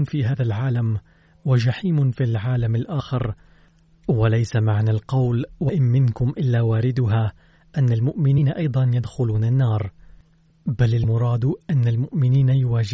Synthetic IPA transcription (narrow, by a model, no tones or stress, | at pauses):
nfiːɦaːðalʕaːlam | wad͡ʒaħiːmʊfilʕaːlamalʔaːxɪɾ | walajsamaʕnaːlqɑwlwaʔɪnmɪnkʊmʔɪlːaːwaːɾɪd̪ʊɦaː | ʔanːalmʊʔmɪniːnaʔɑjd̪ˤɑnjad̪xʊluːnanːɑːɾˤ | balalmʊɾˤɑːd̪ʔanːalmʊʔmɪniːnajʊwaːd͡ʒɪ